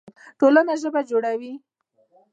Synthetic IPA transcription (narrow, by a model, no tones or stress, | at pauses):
ʈolanaʒəbad͡ʒoɽawi